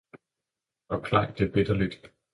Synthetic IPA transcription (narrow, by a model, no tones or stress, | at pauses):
ʔɒ̽kʰlɑ̈ɡ̥d̥eb̥ed̥ɐlid̥